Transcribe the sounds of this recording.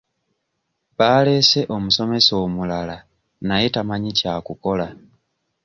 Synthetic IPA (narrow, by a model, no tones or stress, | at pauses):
βaːle̞ːse̞ʔo̞muso̞me̞so̞ːmulala | najetamaɲicaːkuko̞la